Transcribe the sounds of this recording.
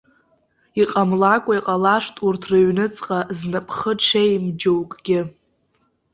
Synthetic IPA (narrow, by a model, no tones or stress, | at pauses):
iqʼamlakʷʼaiqʼalaʂtʼurtʰrɨɥnɨt͡sʼqʼaznɨpʰʼχəʈ͡ʂʷʰejmd͡ʒowkʼɡʲɪ